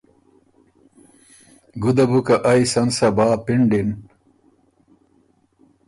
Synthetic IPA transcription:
ɡud̪ɐbukɐʔɐjsɐnsɐbaːpiɳɖin

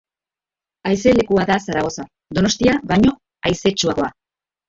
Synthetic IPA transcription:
ajse̞le̞kuaðasaɾaɣo̞sa | d̪o̞no̞st̪iaβajɲo̞ | ajse̞t͡ʃuaɣo̞a

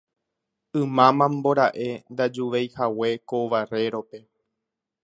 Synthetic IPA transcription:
ɨ̃mãmãmboɾaʔe̞nd̪ad͡ʒuʋejhawe̞koʋare̞ɾo̞pe̞

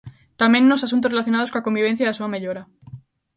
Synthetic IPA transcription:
t̪amjẽnnosasunt̪orelaθjo̞naðoko̞nlako̞mbiβ̞e̞n̟θjaðasuameʎoɾa

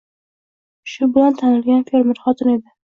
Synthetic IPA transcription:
ʃʊbɪlant̪ʰanɪlɡʲanfeɾmɪɾχɒt̪ʰɪne̞d̪ɪ

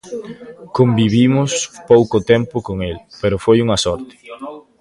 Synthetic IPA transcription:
kombiβimʊspowkot̪ɛmpʊkoŋelpeɾʊfojuŋɐsɔɾt̪ɪ̥

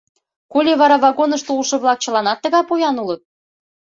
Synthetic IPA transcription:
kulʲeβɑɾɑβɑɣonə̆ʃt̪oulʃɤ̆βlɑk̚t͡ɕə̆lɑnɑt̪ːə̆ɣɑpujɑnulə̆t̪̚

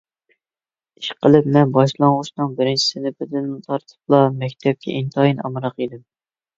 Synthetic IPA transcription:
i̥ʃqʰəlˠɨpmɛnbɑʃlˠɑŋʁʊʃnɨŋbɪɾɪnt͡ʃʰi̥sɪnɪpɪd̪ɪnt̪ʰɑɾt̪ʰɨ̥p̚lˠɑmɛkʲt̪ʰɛp̚kʲʰɛ̰ʔint̪ʰɑjinɑ̰mɾɑqid̪ɪm

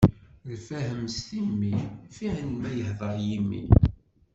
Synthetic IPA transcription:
lfæhəmst̪imːifiʕənmæjəhðˤəɾˤjimːḭ

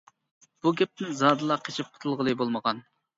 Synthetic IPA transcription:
b̥uɡʲɛp̚t̪ʰɪnzɑːd̪ɨlˠɑqʰet͡ʃʰɪp̚qʰʊ̥t̪ʰɨlˠʁəlˠɨbolˠməʁɑn

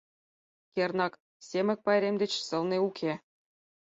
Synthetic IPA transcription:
kʲernɑk | sʲemʲɘ̆k̚pɑjɾʲemd̪ʲet͡ɕsɤ̆lˠneukʲʰe

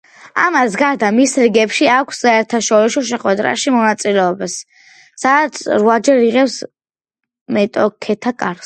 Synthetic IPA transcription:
a̰masɡaɾd̪amisɾiɡɛpʃiakʷʰssaɛɾt̪ʰaʃɔɾisɔʃ̬ɛχwɛd̪ɾa̰ʃimɔnat̪sʼilɛɔbasː | at̪sʰɾwad͡ʒɛɾiʁɛps | mɛt̪ʼɔkʰɛt̪ʰakʼaɾs

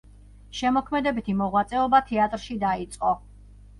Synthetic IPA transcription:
ʃɛmɔkʰmɛd̪ɛbit̪ʰimɔʁwat̪sʼɛɔbat̪ʰɛat̪ʼɾʃid̪ait̪sʼqʼɔ

